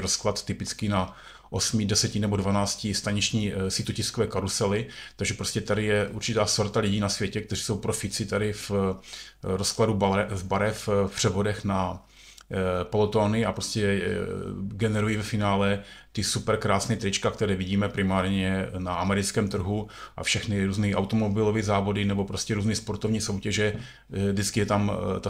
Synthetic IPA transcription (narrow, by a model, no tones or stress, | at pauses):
ɾosklat̪t̪ɪpɪt͡skɪna | ʔosmɪdɛsɛcɪnɛbodvanaːt͡scɪst̪aɲit͡ʃɲiːsiːt̪ucɪskovɛːkaɾusɛlɪt̪aɡʒɛpɾoscɛt̪adɪjɛʔuɾt͡ʃɪt̪aːsoɾt̪alɪɟiːnasvjɛcɛk̚t̪ɛriːso̞wpɾofɪt͡sɪt̪adɪf | ɾoskladubɛvbaɾɛffpr̝̥ɛvo̞dɛxna | polot̪oːnɪapɾoscɛ | ɡɛnɛɾujiːvɛfɪnaːlɛt̪ɪsupɛɾkɾaːsnɛt̪ɾɪt͡ʃkak̚t̪ɛɾɛːvɪɟiːmɛpɾɪmaːɾɲɛnaamɛɾɪt͡skɛːmt̪r̩ɦuʔa̰fʃɛxnɪɾuːzniʔawt̪omobɪlovizaːvo̞dɪnɛbopɾoscɛɾuːzniːspoɾt̪o̞vɲiːso̞wcɛʒɛ | vdɪt͡skɪjɛt̪amt̪a